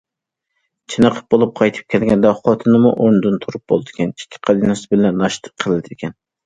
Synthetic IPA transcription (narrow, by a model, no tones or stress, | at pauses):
t͡ʃʰinəqʰə̥p̚bolˠup̚qʰɑjt̪ʰɨ̥p̚kʲʰɛlɡʲɛnd̪ɛχɑt̪ʰɨnɨmṵʔoɾnɨd̪ɨnt̪ʰuɾup̚b̥olˠd̪ɪkʲɛni̥kʲʰːi̥qʰɑd̪inɨsɨbɪlɛnːɑʃt̪ʰə̥qʰːəlˠɨd̪ɪɪkʲʰɛn